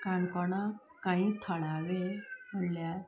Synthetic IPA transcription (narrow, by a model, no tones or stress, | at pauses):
kankɔɳa | kaɦĩːt̪ʰəɭaʋem̤əɳlja